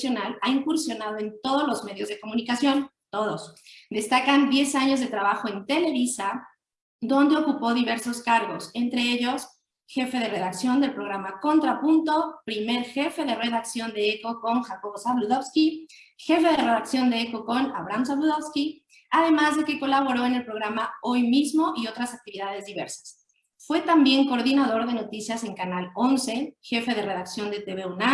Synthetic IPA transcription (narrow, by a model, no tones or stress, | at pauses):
sjo̞nalaiŋkuɾsjo̞naðoe̞nt̪o̞ð̞ozlo̞zme̞ðjo̞zðe̞ko̞mũnikasjo̞n | t̪o̞ðosd̪e̞st̪akand̪je̞saɲo̞zðe̞t̪ɾaβaxo̞e̞nt̪e̞le̞βisa | d̪o̞nd̪e̞o̞kupo̞ðiβe̞ɾso̞skaɾɣo̞se̞nt̪ɾe̞eʝo̞s | xe̞fe̞ðe̞re̞ðaksjo̞nd̪e̞lpɾo̞ɣɾamako̞nt̪ɾapunt̪o̞pɾime̞ɾxe̞fe̞ðe̞re̞ðaksjo̞nd̪e̞eko̞ko̞ŋxako̞βosaβluðo̞βski | xe̞fe̞ð̞ere̞ðaksjo̞nd̪e̞eko̞ko̞na̰βɾans̬aβluðoβski | aðe̞mazðe̞ke̞ko̞laβ̞o̞ɾo̞ene̞lpɾo̞ɣɾamao̞jmizmo̞ʔio̞t̪ɾasak̚t̪iβiðaðe̞zðiβeɾsḁs | fwe̞t̪ambje̞ŋko̞ːɾðinaðo̞ɾðe̞no̞t̪isjase̞ŋkanalo̞nse̞xe̞fe̞ðe̞re̞ðaksjo̞nd̪e̞t̪eβeuna